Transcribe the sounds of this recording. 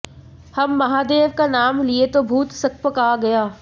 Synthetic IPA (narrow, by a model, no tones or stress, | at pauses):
hɐmːɐɦaːd̪eːʋkanaːmliet̪obʱuːt̪sɐk̚pəkaːɡɐjaː